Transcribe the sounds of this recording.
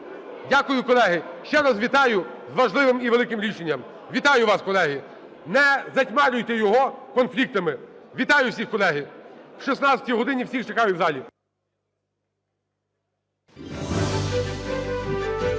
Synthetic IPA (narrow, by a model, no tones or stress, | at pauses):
dʲakʊjʊkɔlˠɛɦɪʃt͡ʃɛɾɑzʋʲit̪ɑjʊ | zʋɐʒlˠɪʋɪmiʋelˠɪkɪmɾʲiʃenʲːɐm | ʋʲit̪ɑjʊʋɑskɔlˠɛɦɪ | nɛzɐtʲmɛɾʲʊjt̪ɛjɔɦɔkɔnflʲik̚t̪ɐmɪʋʲit̪ɑjʊwsʲixkɔlˠɛɦɪwʃisnɑsʲɐtʲijɦɔd̪ɪnʲiwsʲixt͡ʃekɑjʊwzɑlʲi